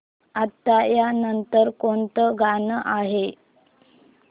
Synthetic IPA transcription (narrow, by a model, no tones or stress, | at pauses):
at̪ːajanənt̪əɾkont̪əɡʱanəʔaɦe